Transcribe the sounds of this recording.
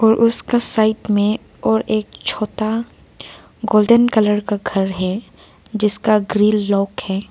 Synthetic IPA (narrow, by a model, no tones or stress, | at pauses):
ɔːɾʔʊskasaːɪʈmẽ | ɔːɾeːkt͡ʃʰoːt̪a | ɡoːlɖ̪ənkɐləɾkaɡʱɐɾɦɛ | d͡ʒɪskaɡɾiːlːɔːkhɛː